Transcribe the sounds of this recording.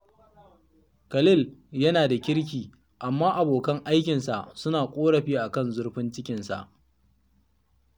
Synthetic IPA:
kɐ˨lɪ˦˨ljɐ˦naː˨da˨kʲɪ˦ɽk̬ʲiː˨ | ʔa˨mːaː˦ʔa˨boː˨kɐ˦ŋʔa˦jkʲɪ˨nsa˨ʔsʊ˦naː˨kʷʼoː˦ɽɐ˨ɸiː˦ʔa˨kɐ˦˨nzʊ˦rɸɪ˦nt͡ʃɪ˦kʲɪ˨nsa̰˨ʔ

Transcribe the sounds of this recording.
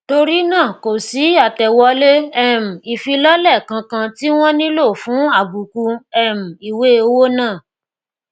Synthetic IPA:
to˧ɾi˦nãː˦˨ko˨si˨˦a˦˨tɛ˨wɔ˨˧˦le˦ɛ˦˨m̩̃˨i˨fi˧lɔ˦lɛ˦˨kã˧kã˧ti˦w̃ɔ̃˦nĩ˦lo˦˨fũ˨˦a˦˨bu˨ku˧ɛ˦˨m̩̃˨i˨we˨˦o˧wo˦nãː˦˨

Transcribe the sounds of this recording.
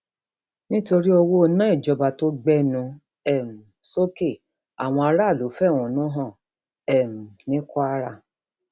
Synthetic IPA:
nĩ˦to˧ɾi˦o˧wo˦o˧nã˦i˦˨d͡ʒɔ˧ba˨to˦ɡ͡bɛ˦nũ˧ | ɛ˨m̩˨so˦ke˦˨ | a̰˨w̃ɔ̃˧a˧ɾa˦˨lo˨˦fɛ˦˨w̃ũ˨˦nũ˦ɦɔ̃˦˨ | ɛ˦˨m̩˨nĩ˦kɔ˦a˦ɾa˦˨

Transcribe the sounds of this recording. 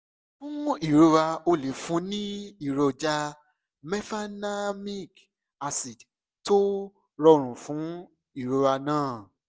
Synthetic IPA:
fũ˦i˦˨ɾo˦ɾa˧o˧le˨fũ˨˦nĩ˦i˦˨ɾo˧d͡ʒa˧ | mɛ˦fa˦na˦mi˦k | a˧si˨ | to˦ | ɾɔ˧ɾ̃ũ˨fũ˨˦ | i˦˨ɾu˦ɾa˧nãː˦˨

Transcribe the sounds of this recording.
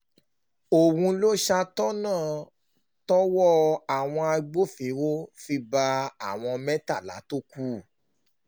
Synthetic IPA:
o˨wũ˧lo˦ʃa˧tɔ˦nãː˦˨ | tɔ˦wɔ˦a˨w̃ɔ̃˧a˧ɡ͡bo˦fe˨˦wo˦fi˧ba˧a˦˨w̃ɔ̃˧mɛ̃˦ta˦˨la̰˨˦to˦ku˦˨

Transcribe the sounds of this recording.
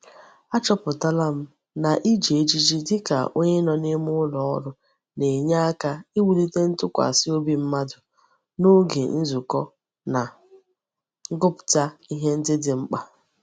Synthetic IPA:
a˦t͡ʃɔ˦pʊ˨ta˦la˦m̩˦ | na˨ʔi˦d͡ʒe˨e˦d͡ʒi˦d͡ʒi˦dɪ˦ka̰˨ʔo˦ɲe˦nɔ˨nɪ˦m˦ʊ˦lɔ˨ɔ˦ɾʊ˦ | ne˨ɲa˦a˦ka˦i˦wu˨li˦te˦n̩˦tʊ˦kʷa̰˨sɪ˦o˦bi˦m̩˦ma˦dʊ˨ | no˦ɡḛ˨n̩˦zu˨kɔ˦ | na˨˦ | ɡʊ˦pʊ̥˨ta˦i˦ɦe˦n̩˦dɪ˦dɪ˨ŋ͡m̩˦k͡pa˨

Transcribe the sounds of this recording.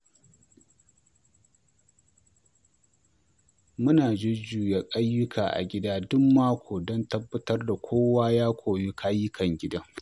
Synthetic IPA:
mʊ˦naː˨d͡ʒɪ˦d͡ʒuː˨ja˦kʼa˦jːʊ˦kʰa̰ː˨ʔa̰˨ɡʲɪ˦daː˦dʊ˦mːaː˦kʷʰoː˨dɔ˦ntɐ˦bːɐ˦tɐ˦rda˨kʷʰoː˦waː˦jaː˦kʷʰoː˨ji˦kʰaː˦jɪ˦kʰɐ˨ŋɡʲɪ˦da˦

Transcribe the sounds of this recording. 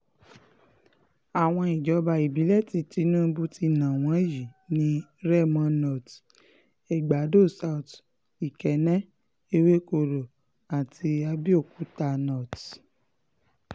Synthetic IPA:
a˨w̃ɔ̃˧i˨d͡ʒɔ˨˦ba˧i˨bi˨˦lɛ˦˨ti˨ti˨˧˦nũ˦˧˦bu˦ti˧nã˨w̃ɔ̃˨˦ji˨nĩ˦ɾɛ˦˨mã˧˦nɔ˨t | ɛ˨ɡ͡ba˨˦do˦˨sa˧u˨t | i˨kɛ˨˦nɛ̃˦ | e˧˦we˦ko˧˨ɾo˨ | a˨ti˧a˧bi˦o˦˨ku˨˦ta˧nɔ˨t

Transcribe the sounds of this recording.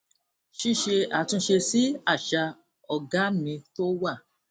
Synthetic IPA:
ʃi˦ʃe˧a˨tũ˧ʃe˧si˦a˦˨ʃa˧ | ɔ˨ɡa˨˦mĩ˧to˦wa˦˨

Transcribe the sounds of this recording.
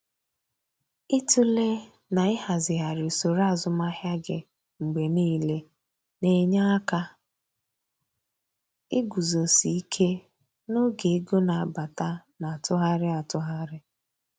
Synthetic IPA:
ɪ˦tu˦le˦ | na˨ɪ˦ha˨zɪ˨ɦa˨ɾɪ˨so˨ɾa˦˨zʊ˨ma˦hja˦ɡɪ̰˨ | ŋ͡m̩˨ɡ͡be˨niː˦le˦ | ne˨ɲa˦ka˦ | ɪ˦ɡu˨zo˨si˨i˦kʰe˦ | no˦ɡe˨˦ɡo˦na˨ba˨ta˦na˨tʊ˦ɦa˦ɾɪ˦a˨tʊ˦ɦa˦ɾɪ˦

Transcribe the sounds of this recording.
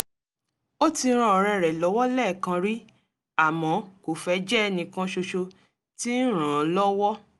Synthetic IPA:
o˦ti˧˦ɾ̃ã˧˨ɾ̃ɛ̃˧˨ɾɛ˨lɔ˨˦wɔ˦lɛ˦˨kã˧ɾi˦ | a˨mɔ̃˨˦ko˨fɛ˧˦d͡ʒɛ˦˧nĩ˧kã˧ʃo˧ʃo˧ | ti˦n̩˦ɾ̃ã˨˦lɔ˦wɔ˦

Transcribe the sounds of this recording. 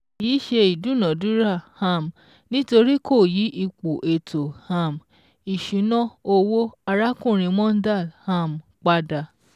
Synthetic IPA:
iː˨˦ʃe˧i˨dũ˨˦nɔ̃˨dũ˦ɾa˦˨hã˦˨m | nĩ˦to˧ɾi˦ko˦˨ji˨˦ʔi˧k͡pu˨ʔe˨tʰo˨hã˦˨m | i˨ʃũ˨˦nɔ̃˦o˧wo˦a˧ɾa˦kũ˦˨ɾ̃ĩ˧mɔ̃˦n̩˦da˦˨lhã˦˨m˨k͡pa˧da˨˧˨

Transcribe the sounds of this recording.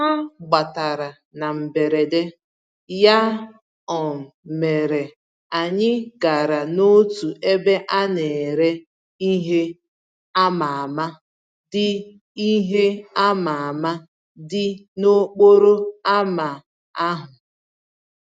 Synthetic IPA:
a˦ɡ͡ba˨ta˨ɾa˨ | na˨m̩˨be˨ɾe˨de˦ | ja˦ | ɔ˨m̩˨me˨ɾe˨ | a˨ɲɪ˦ɡa˨ɾa˨no˦tu˨ʔe˦be˦ʔa˦ne˨e˨ɾe˦ | i˦ɦe˦ | a˦ma˨a˨ma˦ | dɪ˦ | i˦ɦe˦a˦ma˨a˨ma˦ | dɪ˦no˦k͡po˦ɾo˦a˦ma˨ | a˦ɦʊ˨

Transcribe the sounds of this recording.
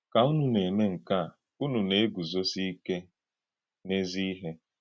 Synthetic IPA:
ka˨u˦nu˨ne˨ne˦ŋ̩˨ka˦˨ | u˦nu˨ne˨e˦ɡu˨zo˦si˦ke˦ | ne˦zi˦i˦ɦe˦

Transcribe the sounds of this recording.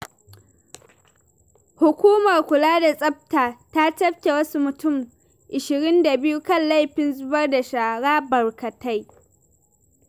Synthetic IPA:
hʊ˨kʷuː˦mɐ˨rkʷʊ˨laː˦da˨sʼɐ˦p̚taː˨ta˦t͡ʃɐ˦ɸkʲe˨wɐ˦su˦mʊ˨tʊ˦˨m | ʔɪ˨ʃɪ˨ɾɪ˦nda˨bɪ˦ju˦kɐ˦˨nla˦jɸɪ˨nzʊ˦bɐ˦rda˨ʃaː˨ɽaː˦bɐ˨rkɐ˨ta˦j

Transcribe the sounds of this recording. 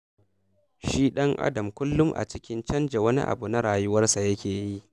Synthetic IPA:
ʃiː˦ɗɐ˦ŋʔa̰˦dɐ˨mkʷʊ˦lːʊ˦mʔa̰˨t͡ʃɪ˦kʲɪ˦nt͡ʃɐ˦nd͡ʒe˨wɐ˦nḭ˦ʔa̰˨bu˨na˦ɽaː˨jʊ˦wɐ˦rsa˨jɐ˦kʲeː˨ji˦ʔ

